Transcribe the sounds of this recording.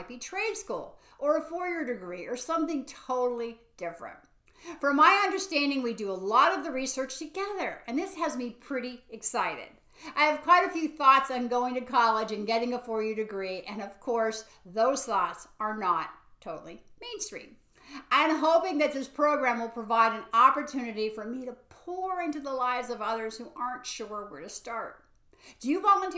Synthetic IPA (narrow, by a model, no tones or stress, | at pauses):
t̚b̥itʰɹ̥eɪd̥skṵlˠ | ə˞əfɔɹjə˞dɨɡɹiə˞sʌ̃mθɪ̃ŋtʰoʊɾl̩ˠid̥ɪfɹɨ̰̃nt̚ | fə˞maɪʌ̃ndə˞stæ̃ndɪ̃ŋwidɨəlɔɾʌvðɨɹisɜ˞t͡ʃtʰɨɡɛðə˞ɨ̃nðɪsɨzmipʰɹ̥ɪɾiɨksaɪɾɪ̰ɾ | aɪɨv̥kʰw̥aɪɾɨfjʉθɔtsɨ̃nɡoʊɪ̃ŋtɨkʰɑlˠɪd͡ʒɨ̃nɡɛɾɪ̃ŋəfɔɹjə˞ɾɨɡɹiʔɨ̃nʌv̥kʰɔɹs | ðoʊz̥θɔtsə˞nətʰːoʊɾl̩ˠimẽɪ̃nstɹ̥ḭ̃m | ʔãɪɨ̃mɦoʊpɪ̃ŋðɨt̪̚ðɪspʰɹ̥oʊɡɹæ̃mwəlˠpʰɹ̥əvaɪɾɨ̃nɑpə˞tʰʉnɨɾifə˞miɾɨpʰɔɹɪ̃ntʉðəlaɪvzʌvʌðə˞z̥huʔɑɹntʃʊɹwəɹɾɨstɑɹt̚ | d̥ɨjɨvɑlˠə̃ntʰ